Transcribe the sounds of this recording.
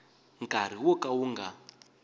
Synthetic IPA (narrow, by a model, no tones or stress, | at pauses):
ŋkʼaɾ̤iwɔkʼawuŋɡa̰